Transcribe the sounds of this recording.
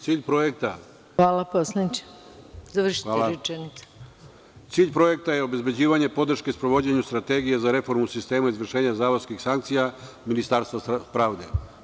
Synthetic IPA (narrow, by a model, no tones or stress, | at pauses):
t̪siːʎpɾo̞je̞k̚t̪a | ʋaːlˠaposlait͡ɕe̥ | zaʋr̩ʃi̥taːlaut͡ʃenit̪se̥ | t̪siːʎʲpɾo̞je̞k̚t̪aje̞o̞be̞zbe̞d͡ʑiːʋaɲe̞po̞d̪r̩ʃkespɾo̞ʋo̞d͡ʑeɲust̪ɾat̪e̞ɡijezaɾe̞fo̞ɾmusist̪e̞ːmaizʋr̩ʃe̞ːɲazaːʋoskixsaŋkt̪sija | minist̪aːɾst̪apɾaːʋd̪e̞